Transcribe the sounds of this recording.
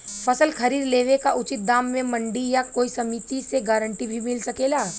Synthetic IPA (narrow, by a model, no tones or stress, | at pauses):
pʰɐsəlkʰɐɾiːɾleːʋekaʔʊt͡ʃɪt̪̚d̪aːmːẽmɐ̃ɳɖijakoːisɐmit̪iseɡaːɾə̃ɳʈibʱimɪlsɐkeːlaː